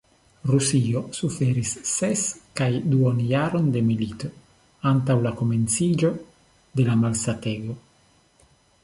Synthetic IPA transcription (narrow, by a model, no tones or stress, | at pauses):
rusiosufeɾisːeskajd̪uonjaɾond̪emilit̪o | ant̪awlakoment̪sid͡ʒo | d̪elamalsat̪eɡo